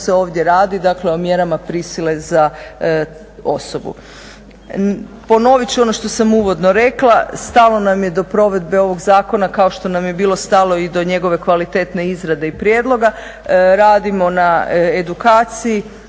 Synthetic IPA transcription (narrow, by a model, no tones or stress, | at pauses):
seo̞ːʋd̪je̞ɾaːd̪id̪akle̞o̞mje̞ɾamapɾisile̞za | o̞so̞bṵ | po̞no̞ʋit͡ʃuo̞no̞ʃt̪o̞samuːʋo̞d̪no̞ɾe̞klˠast̪alo̞namje̞d̪o̞pɾo̞ʋe̞d̪beo̞ʋo̞ɡzaːko̞nakao̞ʃt̪o̞namje̞biːlˠo̞st̪alˠo̞id̪o̞ɲe̞ɡo̞ʋe̞kʋalit̪e̞ːt̪ne̞izɾad̪e̞ipɾjeːd̪lˠo̞ɡa | ɾaːd̪imo̞nae̞d̪ukaːt̪siji